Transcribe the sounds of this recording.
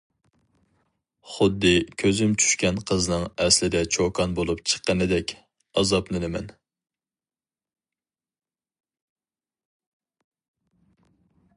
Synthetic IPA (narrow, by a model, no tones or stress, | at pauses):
χʊd̪ːɨkʲʰøzymt͡ʃʰy̥ʃkʲɛnqʰəzɨnɨŋɛslɪd̪ɛt͡ʃʰokʰɑnbolˠupt͡ʃʰə̥qːənɨd̪ɛkʲ | ɑzɑpnɨnɪmɛn